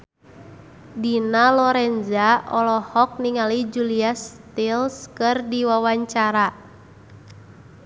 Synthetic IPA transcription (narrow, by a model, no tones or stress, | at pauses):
dinalɔɾɛnzaɔlɔhɔk̚niŋalid͡ʒuliast̪ilskɨrdiwawaɲt͡ʃaɾa